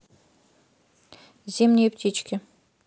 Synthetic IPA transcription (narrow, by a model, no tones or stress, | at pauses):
zʲemnʲejpt̪ʰʲit͡ɕkʲɘ